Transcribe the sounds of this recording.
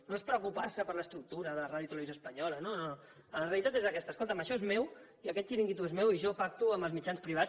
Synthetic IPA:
noespɾəukupaɾsəpəɾləst̪ɾuk̚t̪uɾəðəraðjut̪ələβizoəspəɲɔlənono | əlreəlit̪at̪ezəkɛst̪əskolˠt̪əməʃɔezmɛwiəkɛt̪ʃiɾiŋɡit̪uezmewiʒɔpak̚t̪uəməlˠzmit͡ʃanspɾiβ̞at͡s

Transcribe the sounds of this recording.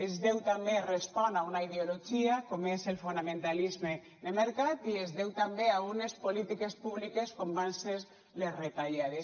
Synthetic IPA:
ezðewt̪amberespɔnaunaiðeoloʒiakomeselfunamẽnt̪alizme | nemeɾkat̪iezðewt̪ambeaɣunespolit̪ikespuβlikeskombanses | lesret̪aʎað̞es

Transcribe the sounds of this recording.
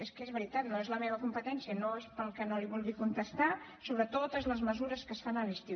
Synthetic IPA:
eskezβəɾit̪at̪noezləmeβ̞əkumpət̪ɛnsiənoespəlˠkənoliβulˠɣikunt̪əst̪a | soβɾət̪ot̪əzləzməzuɾəskəsfanəlist̪i

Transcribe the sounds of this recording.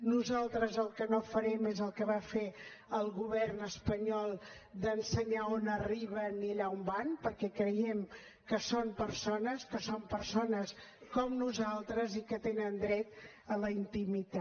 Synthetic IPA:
nuzalˠt̪ɾəzəlˠkənofəɾɛmezəlˠkəβafe | əlˠɣuβɛrnəspəɲɔlˠ | d̪ənsəɲaonəriβəniʎaumbanpəɾkɛkɾəjɛm | kəsompəɾsonəskəsompəɾsonəskɔmnuzalˠt̪ɾəzikət̪enənd̪ɾɛt̪ | ələint̪imit̪a

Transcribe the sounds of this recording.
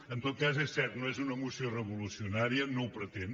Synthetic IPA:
ənt̪ot̪̚kazesːɛɾt̪noezunəmusiorəβulusiunaɾiənowpɾət̪en

